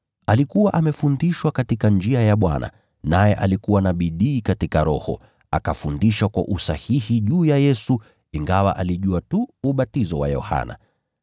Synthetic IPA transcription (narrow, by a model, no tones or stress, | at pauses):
alikuwaʔamɛfundiʃwakatikand͡ʒiajaɓwa̰na̰ | najɛʔalikuwanaɓiɗiːkatikaɾɔhɔ̰ | a̰kafundiʃwakwa̰ʔusahihiʄuːjajɛsu | iŋɡawa̰ʔaliʄuatuːɓatizɔwa̰jɔ̰ha̰na̰